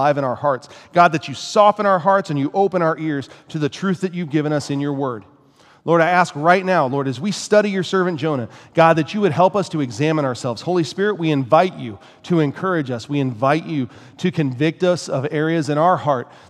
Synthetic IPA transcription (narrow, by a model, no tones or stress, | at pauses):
aɪvɨ̃ɾ̃aʊə˞hɑɹtsɡ̥ɑd̪̚ðɨt͡ʃɨsɔfə̃ɾ̃aʊə˞ɦɑɹtsɨ̃njɨʔoʊpə̃ɾ̃aʊə˞ʔɪɹz̥tʰɨðɨtʰɹ̥ʉθðɨt͡ʃʉvɡɪvɨ̃ñʌsɨ̃njə˞wɜ˞d̥̚ | lɔɹɾaɪæskɹaɪtⁿnaʊlɔɹɾɨzwistʌɾijə˞sɜ˞vɨ̃nd̥ʒ̥õʊ̃ɾ̃ɨɡ̥ɑd̪̚ðɨt͡ʃɨwɨɾ̚ɦɛlˠpʌstʰɨɨɡzæ̃mə̃ñəə˞sɛlˠvz̥hoʊlˠispɪɹɨt̚wiɨ̃ɱvaɪt͡ʃʉ | ɾɨɨ̃nkʰɜ˞ɨd͡ʒʌswiɨ̃ɱvaɪt͡ʃʉ | ɾɨkʰɨ̃ɱvɪk̚tʌsʌvɛɹiɨzɨ̃ɾ̃aʊə˞hɑɹt̚